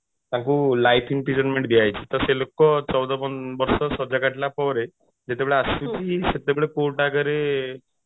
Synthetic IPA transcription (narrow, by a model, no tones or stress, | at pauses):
t̪ãkulajpʰiŋpɾid͡ʒɔnmeɳʈ̚b̪iajt͡ʃʰi̥t̪ɔɾselokɔt͡ʃɔwd̪ɔpɔnbɔɾsɔsɔd͡ʒakaʈlapɔɾe | d͡ʒet̪ebeɭeasut͡ʃʰiset̪ebeɭekoʈakəɾe